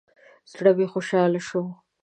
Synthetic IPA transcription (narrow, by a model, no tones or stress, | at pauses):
zɽabexoʃɑlaʃo